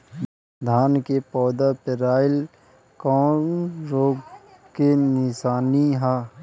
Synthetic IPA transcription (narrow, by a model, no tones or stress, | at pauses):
d̪ʱaːnkepɔːd̪apɪɾaːɪl | kɔːnɾoːɡ | kenɪsaːniɦaː